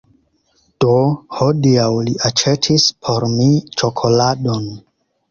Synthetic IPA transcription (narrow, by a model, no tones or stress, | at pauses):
d̥ohodiawliʔat͡ʃetʰispʰo̞ɾmit͡ʃo̞kʰo̞lado̞n